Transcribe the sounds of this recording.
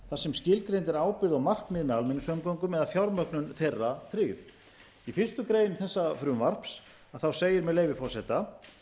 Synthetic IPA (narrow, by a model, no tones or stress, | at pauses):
θḁsɛmscɪlkɾejnt̪ɛɾaːwpɪɾðɔɣmar̥k̪mɪðmɛðalmɛnːʏsœmkowŋkʏmɛðafjawɾmœknʏnθejrːat̪ʰɾɪːɣv | ifɪr̥st̪ʏkɾeːjɪnθɛsːafɾʏmvar̥ps | aðθawseːjɪɾmɛðleːjvɪfɔɾ̥sɛht̪a